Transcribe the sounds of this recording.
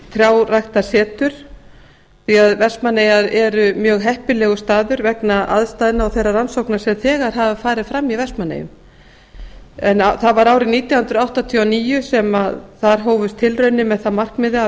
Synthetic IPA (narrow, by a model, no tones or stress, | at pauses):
θɾjaːwrajxt̪asɛːt̪ʏɾ̥ | θiaðvɛr̥smanːejaɾɛɾʏmjœːɣɦɛhpɪlɛːɣʏst̪aːðʏɾvɛknaʔa̰ðst̪ajðɪnaawθejrːaransowknasɛmθɛːɣaɾ̥ɦavafaːɾɪðfɾamːivɛrsmanːḛjʏ̰m | ɛnaθaðvaɾaːwɾɪniːt̪jawhʏnt̪ɾʏawht̪at̪ʰianiːjʏsɛmaðθaɾ̥ɦoːwvʏst̪ʰːɪlrœɥnːɪmɛðθaðmar̥kmɪðɪa